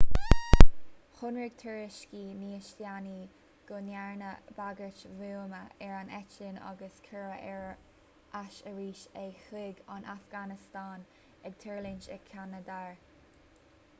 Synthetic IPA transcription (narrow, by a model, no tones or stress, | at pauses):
hʊnɹɪɡ̥t̪ʰəɹɪʃkiːniːəʃljaniː | ɡ̥ʊnaɹnəbaɡəɹt͡ʃvuːməɛɹanɛt͡ʃlinɔ̰ɡəskʰəɹəʔɛɹ | ʔaʃəɹiːʃɛxɪɡɑnʔafɡ̥anɪst̪ɑːn | ɛɡ̥̚t̪ʰɛɹlɪnt͡ʃɛɡkʰːanəd̪aɹ